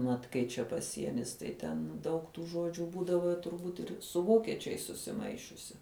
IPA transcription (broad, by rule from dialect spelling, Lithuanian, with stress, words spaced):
ˈmɐt ˈkɐɪ t͡ʃʲɛ pɐˈsʲiɛnʲɪs tɐɪ ˈtʲɛn dɐʊk tuː ˈʒuɔd͡ʒʲʊ ˈbuːdɐʋoː tʊrˈbuːt ɪr sʊ ˈʋoːkʲɛt͡ʃʲɛɪs sʊsʲɪˈmɐɪʃʲʊsʲɪ